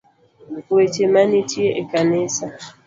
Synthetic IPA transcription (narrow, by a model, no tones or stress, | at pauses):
wet͡ʃemanitieʔekanɪsa